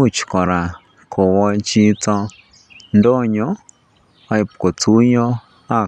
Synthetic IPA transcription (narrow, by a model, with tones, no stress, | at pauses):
u˦˨t͡ʃi̥˨kɔ˨ɾa˨ | kʰɔ˨wɔ˧t͡ʃi˦t͡sɔ˧ | ndɔ˦˨ɲɔ˦ | a˧i˧pu˨kɔ˨t͡su˦ɲɔ˦ | a˦˨